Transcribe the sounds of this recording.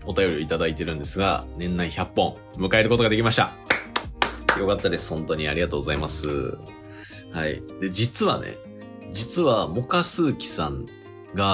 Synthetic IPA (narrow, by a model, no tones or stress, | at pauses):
o̞t̪ajo̞ɾʲio̞it̪ad̪ait̪e̞ɾɯ̟̃nd̪e̞sɨɡa̰nẽ̞nːaĩçapːõ̞ɴ | mɯ̟kae̞ɾɯ̟ko̞t̪o̞ɡad̪ekʲimaɕi̥t̪a̰ | jo̞kat̪ːad̪e̞sɨ̥hõ̞nt̪o̞ɲ̟iaɾʲiɡat̪o̞ːɡo̞zaimasɨ̰ | haḭd̪e̞d͡ʑit͡sɨβa̰nḛ | d͡ʑit͡sɨβamo̞kasɨːkʲi̥sãŋ | ɡa